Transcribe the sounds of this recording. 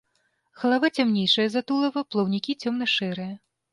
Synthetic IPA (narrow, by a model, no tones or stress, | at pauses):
xɐlˠavat͡sʲamnʲejʂɐjɐzat̪ulˠɐvɐplˠɐwnʲikʲit͡sʲɔmnɐʂɛɾɨjɐ